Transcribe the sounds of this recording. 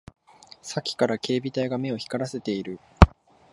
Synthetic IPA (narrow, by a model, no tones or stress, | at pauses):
sakʲi̥kaɾake̞ːbʲit̪aiɡame̞o̞çi̥kaɾase̞t̪e̞iɾɯ̟